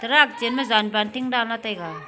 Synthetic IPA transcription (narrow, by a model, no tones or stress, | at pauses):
tɐɾak̚d͡ʒenmazanbantiŋdalnatajɡa